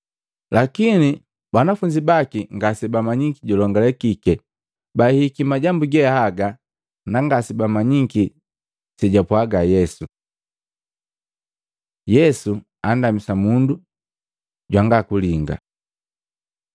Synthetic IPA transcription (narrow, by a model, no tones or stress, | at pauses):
lakini | banafuɲd͡ʒibakiŋɡasibamaɲiŋkiɟɔlɔŋɡalɛkikɛ | bahikimaɟambuɡɛahaɡa | naŋɡasibamaɲiki | sɛɟapwaɡajɛsu | jɛsu | andamisamundu | ɟwaŋɡakuliŋɡa̰